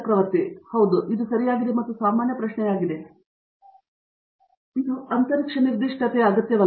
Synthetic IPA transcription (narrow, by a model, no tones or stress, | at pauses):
pɾɐʋɐɾt̪ihɐwd̪uʔid̪usɐɾijaːɡid̪emɐt̪ːusaːmaːnjɐpɾɐʃɳɛjaːɡid̪e̞ | id̪uɐnt̪ɐɾikʂɐniɾd̪iʂʈʰɐt̪ejɐːɡɐt̪jɐʋɐ